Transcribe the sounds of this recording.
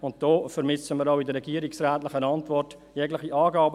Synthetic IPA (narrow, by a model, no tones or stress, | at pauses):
ʊnt̚d̥ɔːfəɾmɪsəmiːɾaʊɪdəɾɛɡiːəɾɪksɾɛːtlɪχənɑntʋɔrtjɛɡlɪχiʔɑːɡɑːbə